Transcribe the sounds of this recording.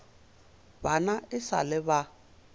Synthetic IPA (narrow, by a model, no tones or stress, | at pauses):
banaɪsa̰lɪβa